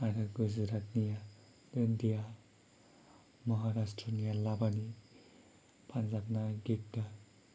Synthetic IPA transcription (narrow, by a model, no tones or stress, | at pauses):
aɾɯɡuzɾat̚nija | dɯndija | mʌɦaɾastɾənijalabani | pʰanzak̚naɡit̚da